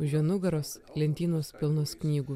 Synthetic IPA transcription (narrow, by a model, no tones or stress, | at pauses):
ʊʒʲiɛnʊɡɐɾoːslʲɛnʲt̪ʲiːnoːspʲɪlˠnoːsknʲiːɡʊ